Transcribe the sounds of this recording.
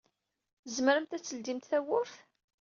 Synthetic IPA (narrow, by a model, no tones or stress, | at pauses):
zməɾəmt̪æt͡sːəld̪imt̪θæwəf